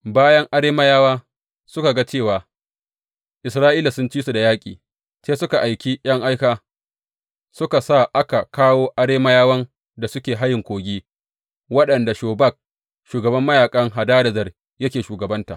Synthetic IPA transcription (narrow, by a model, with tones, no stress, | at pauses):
baː˦jɐ˦ŋʔa˦ɽeː˦ma˦jaː˦waː˦ | sʊ˦ka˨ɡa˦t͡ʃeː˦˨waː˨ | ʔɪ˨sɾaː˦ʔiː˦la˨sʊ˦nt͡ʃiː˦su˨da˨jaː˦kʲʼḭː˨ | t͡ʃeː˦sʊ˦ka˨ʔa˨jkʲi˦j̰ɐ˦ŋʔa˦jkaː˦ | sʊ˦ka˨sa˦˨ʔa˦ka˨kaː˦woː˦ʔa˦ɽeː˦ma˦jaː˦wɐ˦n | da˨sʊ˦kʲeː˨ɦa˦jɪ˨ŋkʷoː˨ɡʲiː˦ | wɐ˦ɗɐ˨nda˨ʃoː˨ba˦˨k̚ | ʃuː˨ɡɐ˨bɐ˦mːɐ˦jaː˨kʼɐ˦ŋɦa˨daː˦dɐ˨zɐ˨r | jɐ˦kʲeː˨ʃuː˨ɡɐ˨bɐ˦nta̰˨